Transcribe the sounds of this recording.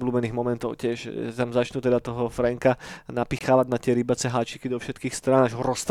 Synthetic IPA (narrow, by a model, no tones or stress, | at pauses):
bluːbɛniːɣmɔmɛnt̪ɔʊcɪɛʃt̪amzat͡ʃnut̪ɛd̪at̪ɔɦɔfɾɛŋkanapixaːʋaɟ̚nat̪ɪɛɾibat͡sɛɦaːt͡ʃikid̪ɔfʃɛt̪kiːxst̪ɾanaʒɦɔɾɔst̪